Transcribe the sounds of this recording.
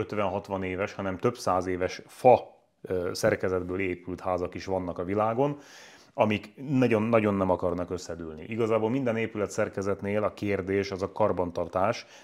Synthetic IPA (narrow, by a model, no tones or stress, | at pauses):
øt̪ʋɛnɦɒt̪ʋɒneːvɛʃhɒnɛmt̪ø̞psaːzeːvɛʃfɒ | sɛrkɛzɛd̪bøːleːpylt̪haːzɒkiʃʋɒnːɒkɒvilaːɡo̞n | ɒmiknɒɟo̞nːɒɟo̞nːɛmɒkɒrnɒkø̞sːɛd̪yːlnḭʔiɡɒzaːboːlmind̪ɛneːpylɛt̪sɛrkɛzɛt̪neːlɒkeːrd̪eːʃɒzɒkɒrbɒnt̪ɒrt̪aːʃ